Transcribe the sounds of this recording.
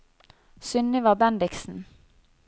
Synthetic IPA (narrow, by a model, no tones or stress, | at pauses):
sʏnɪʋɑːbɛnd̪ɪksn̩